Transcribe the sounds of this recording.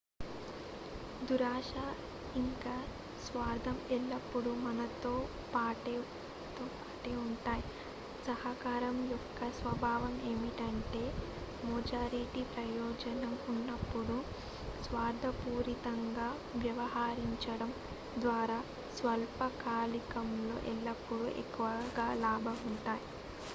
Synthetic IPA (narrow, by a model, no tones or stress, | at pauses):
d̪uɾaːʂaː | iŋkaː | sʋaːɾd̪ʱɐmɛlːɐpːuɽumɐnɐt̪oː | paːʈe | t̪oːpaːʈeːuɳʈaːji | sɐɦɐkaːɾɐmjɔkːɐsʋɐbʱaːʋɐme̞ːmiʈɐɳʈe̞ː | muːd͡ʒaːɾeʈipɾɐjɔːd͡ʒɐnɐmunːɐpːuɽu | sʋaːɾd̪ʱɐpuːɾit̪ɐŋɡaː | ʋjɐʋɐɦaːɾiɲt͡ʃɐɽɐm | d̪ʋaːɾaː | sʋɐlpɐkaːlikɐmlo̞̰ːʔɛlːɐpːuɽuʔḛkːuʋɐɡaːlaːbʱɐuɳʈaːji